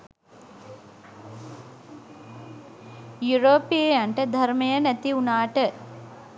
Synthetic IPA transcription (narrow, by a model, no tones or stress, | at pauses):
juɾoːpijejɐɳʈəd̪ʱɐɾmɐjənæt̪iunaːʈə